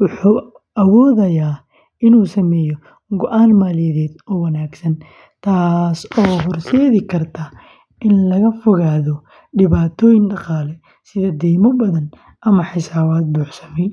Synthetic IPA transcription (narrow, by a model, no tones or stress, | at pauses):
wʊħuː | ʔɐwɔːðɐjaː | ɪnuːsɐmɛːjɔ | ɡɔʔaːnmaːlɪjɐðɛːd̪ɔːwɐnaːɡsɐn | t̪ʰaːsɔːɦɔrʃɛːðɪkʰɐrt̪ʰaː | ʔɪnlɐɣɐfɔɣaːðɔ | ɖɪβaːt̪ʰɔːjɪnɖɑqɑːlɛ | sɪðɐd̪ɛːmɔbɐðɐn | ʔɐmɐħɪsaːβaːd̪̚buːħsɐmɛ